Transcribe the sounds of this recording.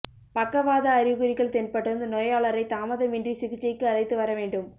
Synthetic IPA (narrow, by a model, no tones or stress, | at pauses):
pɐkːɐʋaːðɐːɾɪɣɯɾɪɣɐɭt̪ɛnpɐʈːɯɾɯnd̪ɯnoːjaːɭɐɾɐɪt̪aːmɐðɐmɪndrisɪɣɯt͡ʃːɐɪkːɯɐɭɐɪt̪ːɯʋɐɾɐʋeːɳɖɯm